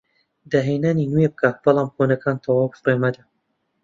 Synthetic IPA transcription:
d̪aɦenaːninuwebɨkʰaːt̪̚b̥ɑlˠɑːmxonɐkʰaːnt̪ʰɑwɑːwbfɾemɐd̪a

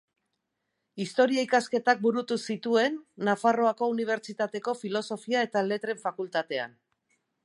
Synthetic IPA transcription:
ist̪o̞ɾiaikaske̞t̪ak̚buɾut̪usit̪ue̞nːafaro̞ako̞uniβ̞e̞ɾt͡ʃit̪at̪e̞ko̞filo̞so̞fiae̞t̪ale̞t̪ɾe̞ɱfakult̪at̪e̞a̰n

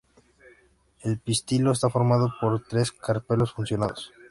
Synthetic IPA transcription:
elpist̪ilo̞es̬t̪afo̞ɾmað̞opo̞ɾt̪ɾe̞skaɾpe̞lo̞sfunsjo̞naðos

